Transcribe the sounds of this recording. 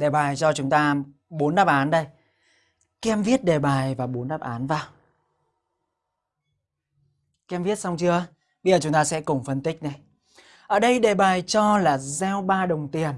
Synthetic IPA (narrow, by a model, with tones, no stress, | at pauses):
ɗe˨˩ɓaː˨˩jt͡ɕɔ˧t͡ɕʊ˨˦ŋ͡mt̪aː˧ | ɓo˨˦nɗaː˦˥p̚ʔaː˨˦nɗə˧j | kɛ˧mvi˦˥ət̚ɗe˨˩ɓaː˨˩jvaː˨˩ɓo˨˦nɗaː˦˥p̚ʔaː˨˦nvaː˨˩w | kɛ˧mvi˦˥ət̚sa˧wŋ͡mt͡ɕɨ˧ə | ɓə˧jzəː˨˩t͡ɕʊ˨˦ŋ͡mt̪aː˧sɛ̰˧˥kʊ˨˩ŋ͡mfə˧nt̪ï˦˥k̟̚ɗə˧j | ʔəː˨˩ɗə˧jɗe˨˩ɓaː˨˩jt͡ɕɔ˧laː˨˩zɛ˧wɓaː˧ɗə˨˩wŋ͡mt̪i˨˩ən